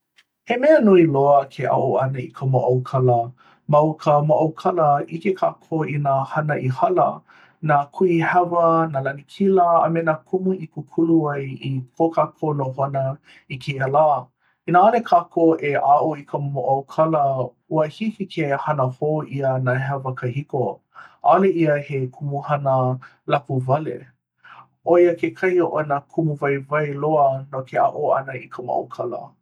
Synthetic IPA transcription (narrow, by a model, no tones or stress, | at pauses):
hemɛənuiloəkʰeʔa̰ʔoɐnəikʰəmo̰ʔɐwkʰɐlə | mɐwkʰəmoʔɐwkʰɐləʔikekʰaːkʰoinahɐnəʔihɐlə̰ | naːkʰuihavənaːlɐnikʰiləə̰menakʰumuʔikukʰuluajikʰokʰaːkʰoːnoɦonə | ikʰeɐlaː | inaalekʰakʰoʔeʔaʔoikʰəmoʔɐwkʰɐlə | uəhihikʰehɐnəhoːʔiənaɛɦəvɐkəhiko | ʔaleiəhekʰumuhɐnə | lapuvalḛ | ʔojəkekʰɐjoʔonakʰumuvajvajloənokʰea̰ʔoɐ̰nəikʰəmo̰a̰kʰɐlə̰